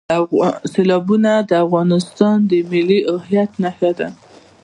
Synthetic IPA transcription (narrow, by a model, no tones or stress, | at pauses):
selɑbunad̪əafɣɑnɪst̪ɑnd̪əmɪliʔʊhjat̪nahjad̪a̰